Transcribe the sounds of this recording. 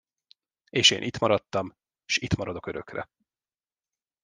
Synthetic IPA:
eːʃḛːnʔit̪mɒɾɒt̪ːɒm | ʃit̪mɒɾɒd̪o̞kø̞ɾøkrɛ̰

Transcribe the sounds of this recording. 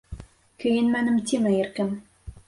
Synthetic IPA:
køjɘnmænɘ̆mt̪ʲimɘ̆erkɘ̆m

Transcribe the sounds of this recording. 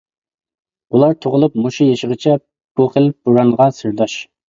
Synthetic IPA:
ulˠɑɾt̪ʰoʁəlˠup̚muʃujeʃəʁət͡ʃʰɛ | b̥uχəlp̚buɾɑŋʁɑsɨɾd̪ɑʃ

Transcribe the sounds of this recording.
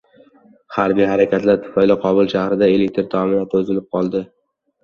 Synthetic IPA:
haɾbijhaɾakʲʰat̪laɾt̪ʰʊ̥fajlɪqʰɒbʊlˠʃahɾɪd̪ae̞lek̚ʲt̪ɾt̪ʰɒmɪnat̪ʰɵzɪlɪp̚qʰɒlˠd̪ɪ

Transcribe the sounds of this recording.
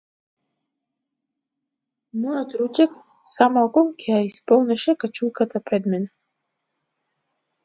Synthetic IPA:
mujat̪ɾud͡ʒɛk | samalɡɔmkʰɛjaispɔlˠnɛʃɛkat͡ʃʰulkʰat̪ʰapɾɛd̪mɛnɛ

